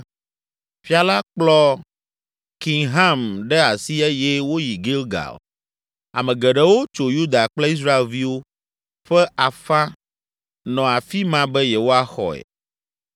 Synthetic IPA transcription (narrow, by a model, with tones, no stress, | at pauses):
fi˦a˨la˦k͡plɔ˦ | ki˨ŋɦã˦mɖɛ˦a˨si˦ɛ˦jɛ˦wo˦ji˨ɡe˦lɡa̰˨l | a̰˨mɛ̃˨ɡɛ˨ɖɛ˦wo˦t͡ʃo˨ju˦d̪a˨k͡ple˦i˦s̬ɾa˦e˨lvi˦wo˦ | ɸɛ˦a˨fã˦ | nɔ̃˨a˨fi˦mã˦bɛ˦jɛ˨wo˦a˦xɔ̰˨ɛ̰˨